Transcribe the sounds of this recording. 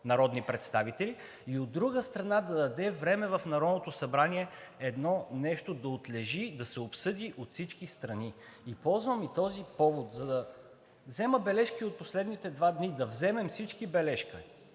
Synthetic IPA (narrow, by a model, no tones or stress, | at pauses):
nɐɾɔd̪nipɾɛt̪st̪avit̪ɛli | iod̪ːɾuɡəst̪ɾɐnad̪ɐd̪ɐd̪ɛvɾɛmɛvɐfnɐɾɔd̪not̪osɐbɾaniɛɛd̪nɔnɛʃt̪od̪ɐot̪lɛʒid̪ɐsɛopsɤd̪iʔot̪fsit͡ʃkist̪ɾɐni | ipɔlˠzvəmit̪ɔzipɔvot̪zɐd̪ɐ | vzɛməbɛlɛʃkiot̪̚poslɛd̪nit̪ɛd̪vad̪nid̪ɐvzɛmɛmfsit͡ʃkibɛlɛʃkə